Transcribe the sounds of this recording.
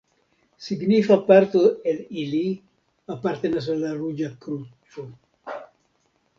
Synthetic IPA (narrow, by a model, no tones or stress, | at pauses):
siɡnifapːaɾt̪uelili | apːaɾt̪enas̬alarud͡ʒakɾut͡ʃu